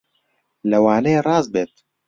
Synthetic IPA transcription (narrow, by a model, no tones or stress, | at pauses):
lɐwaːnɛjerˤɑːzbeːt̪